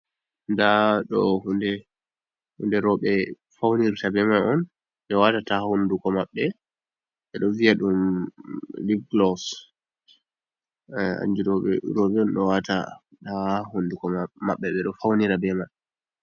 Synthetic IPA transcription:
ndaɗɔhundɛ | hṵndɛɾɔɓɛ | fawniɾtabɛmaʔɔn | ɓɛwatatahundukɔmaɓːɛ | ɓɛɗɔviaɗum | livɡlɔs | a̰nd͡ʒuɾɔɓɛ̰ɾɔɓɛɔnɗɔwata | tahundukɔma̰ɓːɛɓɛɗɔfawniɾabɛma

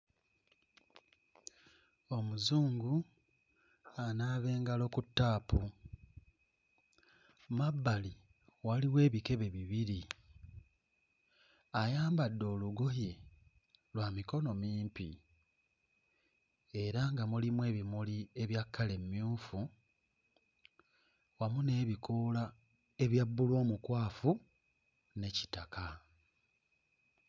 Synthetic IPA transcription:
o̞muzuːŋɡu | anaːβe̞ːŋɡalo̞kutːaːpu | mabːali | waliwe̞ːβike̞βe̞βiβiɾi | ajaːmbadːo̞ːluɡoje | lwamiko̞no̞miːmpḭ | e̞ɾaŋɡamulimwe̞ːβimulie̞βjakːale̞mmjuːfu | wamune̞ːβikola | e̞βjabːulwo̞ːmukwaːfu | ne̞ci̥takʰa

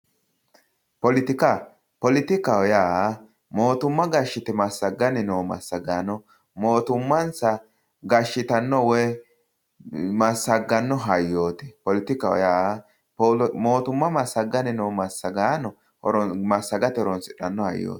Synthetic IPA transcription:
pɔlɪt̪ɪkɐ | pɔlɪt̪ɪkaɔjaː | mo̞ːt̪ʊmːɐɡɐʃːɪt̪ɛmɐsːɐɡːɐnɪnoːmɐ̰sːɐɡanɔ | moːt̪ʊmːɐnsɐ | ɡɐʃːɪt̪ɐnːɔwɛ | mɐsːɐɡːɐnːɔɦɐjːoːt̪ɛ̥pɔlɪt̪ɪkawɔ̰jaː | mo̞ːt̪ʊmːɐmɐsːɐɡːɐnɪnoːmɐsːɐɡaːnɔ | ɔɾmɐsːɐɡɐt̪ɛɔɾɔnsɪᶑɐnːɔhɐ̰jːo̰ːt̪

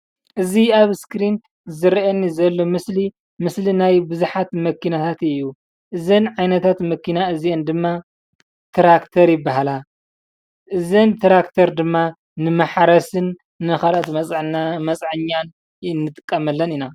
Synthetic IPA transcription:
ʔɨziaβskɾin | zɨɾiʔɐnːizɐlːo̞mɨsli | mɨslinajbɨzuħat̪mɐkʰinat̪ʰat̪ɨjːu | ʔɨzɐnʕajnɐt̪ʰat̪mɐkːinaɨziend̪ɨmːa | t̪ʰɾakt̪ʰɐɾjɪbːaɦala | ʔɨzɐnt̪ʰɾakt̪ʰɐɾd̪ɨmːa | nɨmɐħaɾɐsɨnː | ɨxalat̪mɐt͡sʼʕnamɐt͡sʼʕɨɲːan | nːɨt̪ʼɨkʼːɐmɐlːɐnina

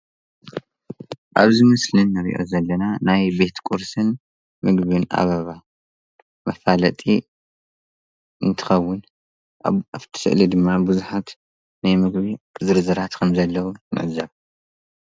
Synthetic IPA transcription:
ʔa̰βzɨmɐslɨnːɐɾḭʔo̞̰zɐlːɐnanajbe̞t̪kʼuɾsɨn | mɨɡβɨnʔa̰βɐβa | mɐfalɐt̪ʼi | ɨnt̪ʰɨ̥xɐwːʊn | ʔa̰aβt̪ʰɨ̥sɨ̰ʔlid̪ɨmːabɨzuħat̪ | najmɨɡβizɨɾzɐɾat̪kʰɐmzɐlːɐwumɨ̰ʕzɐβ

